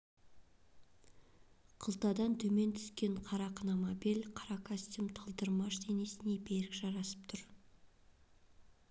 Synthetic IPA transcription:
qʰəlˠt̪ɑd̪ɑnt̪ʰɵme̞nt̪ʰʏ̥skʲe̞ɴqʰɑɾɑqʰənɑmɑbilqʰɑɾɑkʰost̪umt̪ʰəlˠd̪əɾmɑʃd̪e̞ne̞sɪne̞be̞ɾɪkʒ̥ɑɾɑsə̥p̚t̪ʰʊɾ

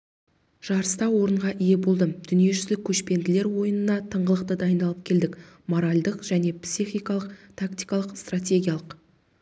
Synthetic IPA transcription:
ʒ̥ɑɾəst̪ɑwo̞ɾəɴʁɑʔije̞bo̞lˠd̪əd̪̥ʏnije̞ʒʏzlɪkʲʰːɵʃpe̞nd̪ɪle̞ɾwo̞jənənɑt̪ʰəɴʁəlˠəq̚t̪əd̪ɑjənd̪ɑlˠəp̚kʲʰe̞ld̪ɪk | mo̞ɾalʲd̪əqʒ̥æne̞psiχʲijkɑlˠəqt̪ʰakt̪ijkɑlˠəqst̪rat̪̬ʲe̞ɡʲijalˠəq

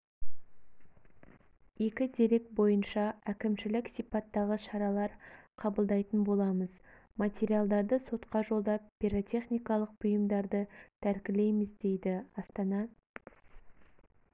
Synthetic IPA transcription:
je̞kʲɪd̪e̞ɾe̞k̚bo̞jənʃɑækʲɪmʃɪlɪksijpɑt̪ːɑʁəʃɑɾɑlˠɑɾqʰɑbəlˠd̪ɑjt̪ənbo̞lˠɑməz | mɑt̪ʲe̞ɾialˠd̪ɑɾd̪əso̞t̪qɑʒo̞lˠd̪ɑp̚ːiɾot̪ʲʰe̞χnijkɑlˠəq̚b̥ʊjəmd̪ɑɾd̪ət̪ʰæɾkʲɪle̞jmɪzd̪e̞jd̪ɪɑst̪ɑnɑ

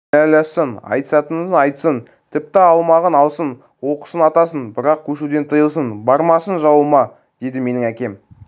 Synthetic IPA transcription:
ælæsənɑ̰jt̪sɑt̪ənənɑjt̪sən | t̪ʰɪp̚t̪ɪɑlˠmɑʁənɑlˠsən | wo̞qə̥sənɑt̪ɑsənbɪɾɑq̚kʲʰɵʃud̪e̞nt̪ʰəjəlˠs̬ənbɑɾmɑsənʒɑwəmɑ | d̪̥e̞d̪ɪme̞nɪŋækʲe̞m

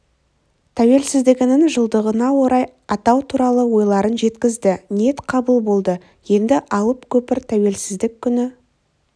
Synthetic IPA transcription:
t̪ʰæwe̞lsɪzd̪ɪɡʲɪnɪŋʒəlˠd̪əʁənɑwo̞ɾɑj | ɑt̪ɑwt̪ʰuɾɑlˠəwo̞jlˠɑɾənʒe̞t̪kʲɪzd̪ɪne̞t̪qʰɑbəlˠbo̞lˠd̪ə | je̞nd̪ɪʔɑlˠəpkʲʰɵpɪɾt̪ʰæwe̞lsɪzd̪ɪkʲʰːʏnɪ

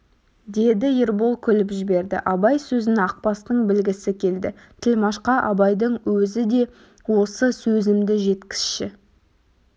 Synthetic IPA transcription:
d̪e̞d̪ɪeɾbolˠkʲʰʏlɪpʒɪbe̞ɾd̪ɪ̰ʔɑbɑjsɵzɪnɑq̚pɑst̪əɴbɪlɡʲɪsɪkʲʰe̞ld̪ɪ̰ | t̪ʰɪlmɑʃqɑʔɑbɑjd̪əɴwɵzɪd̪e̞ | wo̞səsɵzɪmd̪ɪʒe̞t̪kʲɪ̥sʃɪ

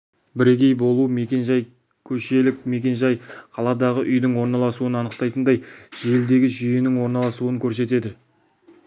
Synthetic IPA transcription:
bɪɾekʲe̞jbo̞lˠume̞kʲe̞nʒɑj | kʲʰɵʃe̞lɪk̚me̞kʲe̞nʒɑjqʰɑlˠɑd̪ɑʁəʔʏjd̪ɪŋwo̞ɾnɑlˠɑsuənɑnəqt̪ɑjt̪ənd̪ɑjʒ̥eld̪e̞ɡʲɪʒʏje̞nɪŋwo̞ɾnɑlˠɑsuəŋkʲʰɵɾse̞t̪e̞d̪ɪ

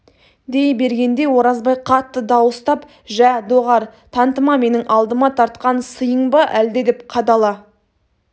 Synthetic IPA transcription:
d̪e̞jbe̞ɾɡʲe̞nd̪e̞wo̞ɾɑzbɑjqʰɑt̪ːəd̪ɑwəst̪ɑp | ʒæd̪o̞ʁɑɾt̪ʰɑnt̪əmɑme̞nɪŋɑlˠd̪əmɑt̪ʰɑɾt̪̚qɑnsəjəɴbəʔæld̪e̞d̪e̞pqʰɑd̪ɑlˠɑ

